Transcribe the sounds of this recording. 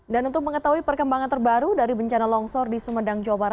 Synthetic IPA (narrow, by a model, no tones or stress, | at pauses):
danunt̪ʊk̚məŋət̪aɦuipərkəmbaŋant̪ərbaɾudaɾibəɲt͡ʃanalɔŋsɔrdisəmədaŋd͡ʒawabaɾat̪̚